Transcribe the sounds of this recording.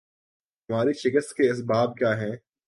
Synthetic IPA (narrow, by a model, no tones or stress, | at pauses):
ɦɐmaːɾeʃɪkəst̪̚keɐs̬baːb̚kjaːɦɛ̃ː